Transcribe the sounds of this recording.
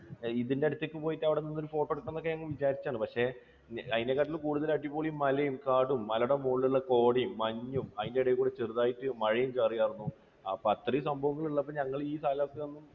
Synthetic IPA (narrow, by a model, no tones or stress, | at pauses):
iðinde̞ɐɽut̪ːekːɨpo̞ːjitːɐʋiɽeninːoɾufo̞ːʈːoɽukːnːo̞kːeɲɐŋːɐɭʋit͡ɕaːɾit͡ɕːaːɳɨpɐkʂe̞ | ɐðinekːaːʈ̬ːilkuːɽuðɐlɐʈ̬ːipːoːɭijumːɐlɐjumkaːɽumːɐloɽemoːɭɭːɐko̞ːɽimːɐɲːumɐðindeiɽɐjikuːɽet͡ɕeruðaːjitːɨmɐɻɐjumt͡ɕeːrijaːɾunːu | pɐt̪risɐmbʱɐʋɐŋːɐɭuɭːɐpːɐɲɐŋːɐɭiːsaːlakːeʋɐnːum